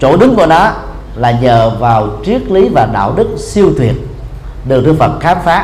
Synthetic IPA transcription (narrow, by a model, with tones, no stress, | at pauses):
t͡ɕo̰˧˩ɗɨ˨˦ŋkṵ˧˩ənɔ˨˦ | laː˨˩ɲəː˨˩vaː˨˩wt͡ɕi˦˥ək̚li˨˦vaː˨˩ɗa̰ː˧˨wɗɨ˦˥k̚si˧əwt̪ʰwi˨˩ət̚ | ɗɨ˨˩k̚t̪ɨ˧fə˨˩t̚xaː˨˦mfaː˨˦